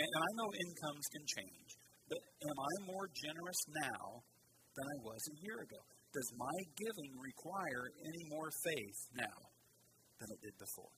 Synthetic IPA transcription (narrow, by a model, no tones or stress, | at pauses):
ɨ̃ɨ̃ñaɪnoʊʔɪ̃nkʰʌ̃mz̥kʰɨ̃nt͡ʃʰḛ̃ɪ̃nd͡ʒ | b̥ʌɾɨ̃mãɪ̃mːɔɹd͡ʒɛnə˞ɨsnaʊ | ðɨ̃ɾ̃aɪwʌzɨjɪɹɨɡoʊd̥ʌzmaɪɡɪvɪ̃ŋɹɪkʰw̥aɪə˞ɛñimɔɹfeɪθnaʊ | ðɨ̃nɨt̚d̥ɨd̚bɨfɔ̰ɹ